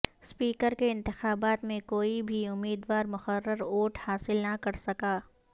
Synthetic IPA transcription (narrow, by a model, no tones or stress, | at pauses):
spiːkəɾkeɪ̃nt̪ɪxaːbaːt̪mẽkoːibʱiʊmːiːd̪waːɾmʊxəɾːəɾoːʈhaːsɪlnɐkɐɾsɐkaː